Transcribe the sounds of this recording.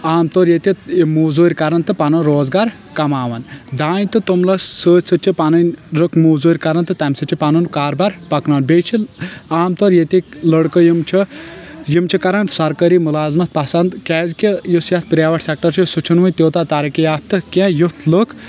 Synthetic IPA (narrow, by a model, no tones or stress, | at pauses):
aːmt̪oɾjet̪ʲimuːzuːɾʲkɐɾɐnt̪ɨpɐnɐnɾoːzɡaːɾ | kɐmaːʋɐnd̪aːnt̪ɨt̪umlɐsəːt͡ʃʲsɨt͡ʃʰipɐnɐnʲɾɨkmuːzuːɾʲkɐɾɐnt̪ɨt̪ɐmʲsɨt͡ʃʰipɐnunkaːɾbaɾpɐknaːnbejt͡ʃʰiaːmt̪oɾjet̪ʲilɐɽkəjimt͡ʃʰijimt͡ʃʰikɐɾɐnsɐɾkɐɾiːmulaːzmɐt̪̚pɐsɐnd̪kɛːzkijusjɐt̪̚pɾʲaːʋɐʈʰsek̚ʈɐɾt͡ʃʰusut͡ʃʰunʋɨnʲt̪ʲoːt̪aːt̪aɾikijaːt̪̚t̪ɨkẽjut̪ʰlɨk